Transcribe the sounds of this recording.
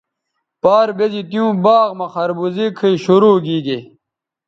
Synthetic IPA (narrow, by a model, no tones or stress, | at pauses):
paːɾbezit̪ijũːbaːɣmɐxɐɾbuzikʰəiɕuɾuːɡiːɡe